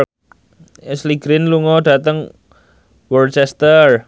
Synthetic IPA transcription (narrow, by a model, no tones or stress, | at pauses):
ɛsliɡ̥ɾinluŋɔɖa̤t̪əŋ | wərt͡ʃɛst̪ər